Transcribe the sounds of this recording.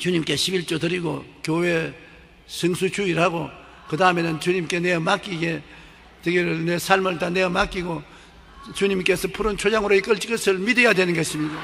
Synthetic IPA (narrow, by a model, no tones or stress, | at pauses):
t͡ɕuɲimk͈e̞ɕʰibiɭt͡ɕ͈otɯɾiɡo̰kjowe | sʰɯŋsʰut͡ɕuiɾhaɡo | kɯdaɯme̞nɯnt͡ɕuɲimk͈e̞neɯmːak͈iɡe̞ | t͡ɕeɡeɾɯɭnesʰaɭmɯɭtane̞ʌmːak͈iɡo | t͡ɕuɲimk͈e̞sʰʌpʰuɾɯnt͡ɕʰod͡ʑaŋɯɾoik͈ɯɭt͡ɕ͈i̥k͈ɯsʰɯɭmidɯjadwe̞nɯnɡʌsimɲika